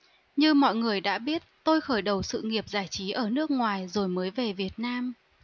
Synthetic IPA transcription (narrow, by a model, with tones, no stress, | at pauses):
ɲɨ˧mɔ̰˧˨jŋɨ˨˩əjɗa̰ː˧˥ɓi˦˥ət̚t̪o˧jxəː˧˩jɗə˨˩wsɨ̰˧˨ŋi˨˩əp̚zaː˧˩jt͡ɕi˨˦ʔəː˧˩nɨ˦˥ək̚ŋwaː˨˩jzo˨˩jməː˨˦jve˨˩vi˨˩ət̚naː˧m